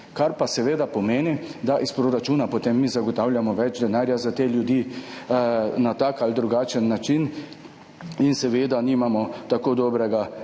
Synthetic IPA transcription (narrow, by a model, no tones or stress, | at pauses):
kaɾpasɛʋeːd̪apɔmeːnid̪aʔispɾoɾat͡ʃuːnapot̪emːizaɡɔt̪aːwlʲjamɔʋɛd͡ʒd̪ɛnaːɾjazat̪eːljud̪iː | nat̪aːkald̪ɾuɡaːt͡ʃənːat͡ʃin | insɛʋeːd̪animamɔt̪akoːd̪ɔːbɾɛɡa